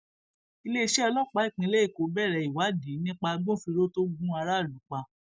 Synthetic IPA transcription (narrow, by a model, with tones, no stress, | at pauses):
i˧le˦i˦˧ʃɛ˦ɔ˧lɔ˦˨k͡pa˨˦i˦˨k͡pĩ˧˦le˦i˦˨ko˨˦bɛ˦˨ɾɛ˨˧˨i˨wa˨˦dĩ˨˦nĩ˦k͡pa˧ɡ͡bõ˦˨fi˧ɾo˦to˦ɡũ˦a˧ɾa˦˨lũ˨˦k͡pa˧